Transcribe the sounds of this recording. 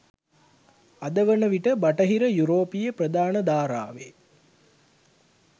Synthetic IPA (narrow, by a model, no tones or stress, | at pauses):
ad̪əʋənəʋiʈəbaʈəɦiɾəjuɾoːpijəprəd̪aːnəd̪aːɾa̰ːʋḛ